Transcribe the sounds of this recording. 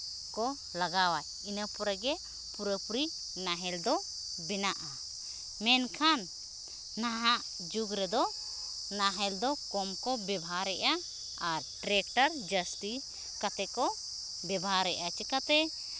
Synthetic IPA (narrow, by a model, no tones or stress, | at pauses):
kɔ | laɡawaj | inəpɔɾaɡɛ | puɾəpuɾi | naɦɛld̪ɔ | bɛnaʔa | mɛnkʰanː | aɦaʔ | d͡ʒuɡɾɛd̪ɔ | naɦɛld̪ɔkɔmkɔbɛbʱaɾɛʔa | aɾʈɾɛk̚ʈaɾd͡ʒəst̪i | kat̪ɛkɔ | bɛbaɾɛʔat͡ʃɛkat̪ɛ